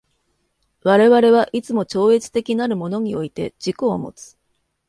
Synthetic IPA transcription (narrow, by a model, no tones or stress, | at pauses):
βaɾe̞βaɾe̞β̞aʔit͡sɨmo̞t͡ɕo̞ːe̞t͡sɨ̥t̪e̞kʲinaɾɯ̟mo̞no̞ɲ̟io̞it̪e̞d͡ʑ̥iko̞ːmo̞̰t͡sɨ̥